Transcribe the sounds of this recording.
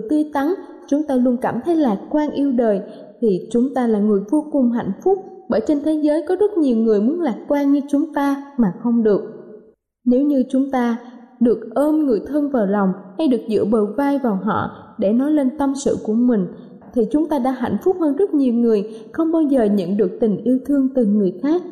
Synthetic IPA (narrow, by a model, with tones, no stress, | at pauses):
ɨ˨˩t̪i˧t̪a˨˦ŋ | t͡ɕʊ˨˦ŋ͡mt̪aː˧lu˧ənkaː˧˩mt̪ʰe˨˦jlaː˨˩j̚kwaː˧nʔi˧əwɗəː˨˩j | t̪ʰi˨˩t͡ɕʊ˨˦ŋ͡mt̪aː˧laː˨˩ŋɨ˨˩əjvo˧kʊ˨˩ŋ͡mɦa̰˧˨jŋ̟fʊ˦˥k͡p̚ɓəː˧˩jt͡ɕe˧nt̪ʰe˨˦zəː˨˦jkɔ˨˦zə˦˥t̚ɲi˨˩wŋɨ˨˩əjmu˨˦ənlaː˨˩jt̚kwaː˧nɲɨ˧t͡ɕʊ˨˦ŋ͡mt̪aː˧maː˨˩xə˧wŋ͡mɗɨ˨˩ək̚ | ne˨˦wɲɨ˧t͡ɕʊ˨˦ŋ͡mt̪aː˧ɗɨ˨˩ək̚ʔəː˧mŋɨ˨˩əjt̪ʰə˧nvaː˨˩wlɑ˨˩wŋ͡mha˧jɗɨ˨˩ək̚zɨ̰˧˥əɓəː˨˩vaː˧jvaː˨˩wɦɔ̰˧˨ɗe˧˩nɔ˨˦jle˧nt̪ə˧msɨ̰˧˨ku˧˩əmï˨˩ŋ̟ | t̪ʰi˨˩t͡ɕʊ˨˦ŋ͡mt̪aː˧ɗa̰ː˧˥ɦa̰˧˨jŋ̟fʊ˦˥k͡p̚həː˧nzə˦˥t̚ɲi˨˩əwŋɨ˨˩əjxə˧wŋ͡mɓaː˧wzəː˨˩ɲə̰˧˨nɗɨ˨˩ək̚t̪ï˨˩ŋ̟ʔi˧əwt̪ʰɨ˧əŋt̪ɨ˨˩ŋɨ˨˩əjxaː˦˥k̚